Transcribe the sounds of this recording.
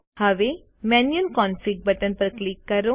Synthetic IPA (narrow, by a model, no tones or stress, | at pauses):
həʋe | mɛnjənkɔːnfik̚bət̪ənpəɾklikːəɾo